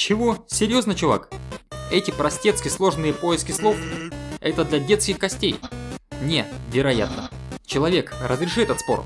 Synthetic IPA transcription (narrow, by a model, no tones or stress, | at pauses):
t͡ɕɪvo̞sʲɪɾʲjo̞znət͡ɕʊva̰kɛtʲɪpɾɐsʲtʲe̞t̪skʲɪslˠo̞ʐnɨjəpo̞jɪskʲɪslˠo̞fɛt̪əd̪lʲɐdʲe̞t̪skʲɪxkɐsʲtʲejnʲevʲɪɾɐja̰t̪̚nət͡ɕɪlˠɐvʲe̞krəzɾʲɪʂɨɛt̪ət̪spo̞̰